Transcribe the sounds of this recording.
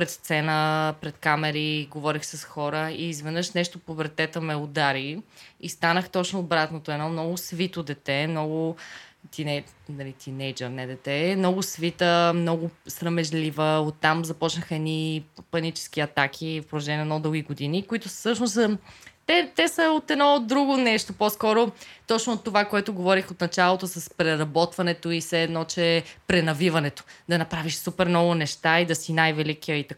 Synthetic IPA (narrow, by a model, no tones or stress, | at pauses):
pɾɛt̪st̪sɛnəpɾɛt̪kamɛɾiɡovɔɾixsɐsxɔɾəiːzvɛd̪nɤəʃnɛʃt̪ʊpobɛɾt̪ɛt̪əmɛod̪aɾiist̪anəxt̪ɔt͡ʃnʊːbɾat̪not̪oɛnɔmnɔɡʊsvit̪od̪ɛt̪ɛmnɔɡʊt̪inɛnɐlit̪inɛjd͡ʒəɾnɛd̪ɛt̪ɛnɔɡʊsvit̪əmnɔɡʊsɾəmɛʒlivəot̪ːamzɐpɔt͡ʃnəxəɛnipɐnit͡ʃɛ̥sk̟iɐt̪akʰifpɾoðɐʒɛnʲiəɛd̪nɔd̪ɤlˠɡʲiɡod̪inikoit̪ʊsɤʃnosət̪ɛt̪ɛsəot̪ɛd̪nɔd̪ɾuɡʊnɛʃt̪oposkɔɾot̪ɔt͡ʃnʊot̪ːovakoɛt̪ʊɡovɔɾixot̪nɐt͡ʃalˠot̪osɐspɾɛɾɐbɔt̪vɐnɛt̪oisɛːd̪nɔt͡ʃɛpɾɛnɐvivɐnɛt̪o̥d̪ɐnɐpɾaviʃsupɛɾnɔvʊnɛʃt̪aid̪ɐsinajvɛlikiəit̪ɐk